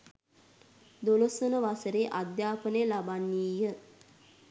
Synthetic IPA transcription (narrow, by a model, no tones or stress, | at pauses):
d̪olosənəʋasəɾeʔad̪jaːpənəjəlabanːiːjə